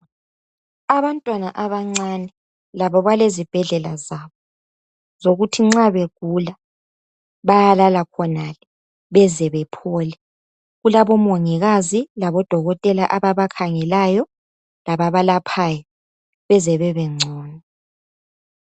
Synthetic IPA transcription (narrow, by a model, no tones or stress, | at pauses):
aβantʼwanaʔaβaŋ͡ǀanɛ | laβɔβalezib̥ʱɛɮɛlazaβɔ | z̥oɣutʰiŋ͡ǁaβeɡ̥̚ʱula | βajalalakʰɔnalɛ | βɛzɛβɛpʰɔːlɛ | ɣulaβɔmoŋiɣazilaβɔd̥ʱɔɣɔtʼɛlaʔaβaβakʰaŋɛlajɔ | laβaβalapʰaːjɔ | βɛzɛβɛβɛŋ͡ǀʱɔːnɔ